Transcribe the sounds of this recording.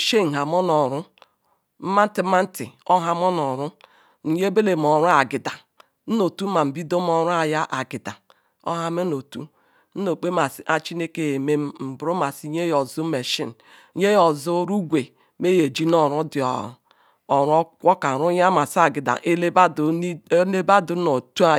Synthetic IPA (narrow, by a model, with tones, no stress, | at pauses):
ʃe˦n̩˨ɦa˨mɔ˦nɔ˨ɾʊ˦ | m̩˦ma˦n̩˦ti˨m̩˦ma˦n̩˦tɪ̰˨ɔ˦ɦa˦m˦ɔ˦nɔ˨ɾʊ˦ | n̩˨ɲe˦be˦le˨m˨ɔ˨ɾu˦a˨ɡɪ˨da˨ | n̩˦no˨tu˦ma˨m̩˨bi˦do˦m˦ɔ˦ɾʊ˦a˨ja˦ʔa˨ɡɪ˨da˨ | o̰˦ɦa˦me˦no˨tṵ˦ | n̩˦no˨k͡pe˦ma˨sʔa˦t͡ʃi˦ne˦ke˦je˨me˦m˦m̩˨bɾo˦ma˨si˦ɲe˦jɔ˨zu˦me˨ʃḭ˦n˨˦ | ɲe˦jɔ˨zʊ˦ɾu˦ɡʷe˨˦ | me˦je˨d͡ʒi˦nɔ˦ɾʊ˦dɪ˨ɔ̰˨ | ɔ˨ɾɔ˦kʷɔ˦ka˨ɾʊ˦ja˦ma˨sa˨ɡɪ˨da̰˨ʔe˦ba˦dne˦ba˦du˨˦no˨tu˦a˨